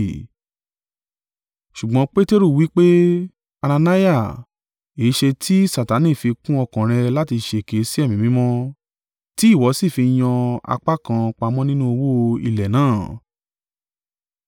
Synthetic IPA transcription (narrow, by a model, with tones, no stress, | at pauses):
ʃu˨ɡ͡bɔ̃˧˦k͡pe˦te˦ɾu˦˨wi˨˦k͡pe˦ | a˧nã˧na˦ja˦˨ | e˨˦ʃe˧tʰi˦sa˨ta˨˦nĩ˦˨fi˧kũ˦ɔ˧kã˨ɾ̃ɛ̃˧la˦ti˧ʃe˧˨ke˨˦si˦ɛ˦˨mĩ˨mĩ˨˦mɔ̃˦ | ti˦i˦˨wɔ˨˦si˦˨fi˧j̃ɔ̃˧a̰˧k͡pa˦kã˧k͡pa˧mɔ̃˦nĩ˦nũ˦o˧wo˦˧ḭ˧lɛ˨nãː˨˦˨